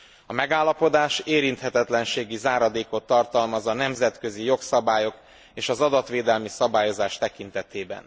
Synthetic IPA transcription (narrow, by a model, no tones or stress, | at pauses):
ɒmɛɡaːlːɒpo̞d̪aːʃeːɾint̪hɛt̪ɛt̪lɛnʃeːɡizaːɾɒd̪eːko̞t̪ːɒrt̪ɒlmɒzɒnɛmzɛt̪kø̞zijo̞ksɒbaːjo̞k | eːʃɒzɒd̪ɒt̪ʋeːd̪ɛlmisɒbaːjo̞zaːʃt̪ɛkint̪ɛt̪eːbɛ̰n